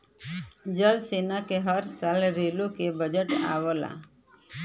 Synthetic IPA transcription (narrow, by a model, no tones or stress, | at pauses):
d͡ʒəlseːnakeɦəɾsaːlɾelokebəd͡ʒəʈa̰ːʋəla̰